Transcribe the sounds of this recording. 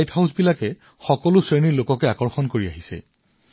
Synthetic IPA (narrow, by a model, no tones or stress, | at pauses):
jthawsbilakɛ | xɔkɔlʊsɹeniɹlokɔkɛakɔɹxɔnkoɹiaɦisɛ̰